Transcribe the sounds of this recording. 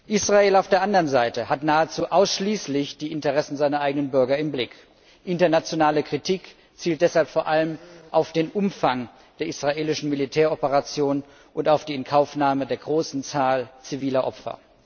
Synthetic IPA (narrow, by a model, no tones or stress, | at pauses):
ʔisʁaeːlaʊfd̥eːɐʔandɐʁənzaɪtəhatnaːət͡suːʔaʊsʃliːslɪçd̥iːʔɪntəʁɛsn̩zaɪnɐʔaɪɡənənbʏɐɡɐɪmblɪk | ʔɪntɐnat͡sjonaːləkʁ̥itʰiːk | t͡siːlt̚d̥ɛshalpfoːɐʔaləmʔaʊfd̥eːnʔʊmfaŋ | d̥eːɐisʁ̥aʔeːlɪʃn̩militʰɛːɐɔpəʁat͡sjoːn | ʔʊntaʊfd̥iːɪnkʰaʊfnaːmədeːɐɡʁoːsn̩t͡saːlt͡siviːlɐʔɔpfɐ̰